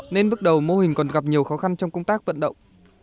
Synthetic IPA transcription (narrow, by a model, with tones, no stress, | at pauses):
ne˧nɓɨ˦˥k̚ɗə˨˩wmo˧hï˨˩ŋ̟kɔ˨˩nɣa˨˩p̚ɲi˨˩əwxɔ˨˦xa˧nt͡ɕɔ˧wŋ͡mkə˧wŋ͡mt̪aː˦˥k̚və̰˧˨nɗə̰˧˨wŋ͡m